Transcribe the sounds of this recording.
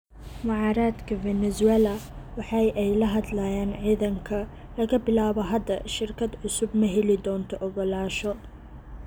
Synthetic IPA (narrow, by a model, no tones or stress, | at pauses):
mʊʕɑːɾaːd̪kʰɐvɛnɛzwɛːlɐwɑħɑjʔɛjlɐɦɐd̪lɐjaːnʕiːðɐŋkʰɐ | lɐɣɐbɪlaːβɔɦɐd̪ːɐʃɪrkʰɐd̪ʕʊsʊbmɐɦɛlɪd̪ɔːnt̪ʰɔʔɔɣɔlaːʃɔ